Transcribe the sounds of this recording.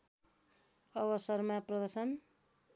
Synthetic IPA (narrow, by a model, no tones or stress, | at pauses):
ʌβʌsʌrmaprʌd̪ʌsʌn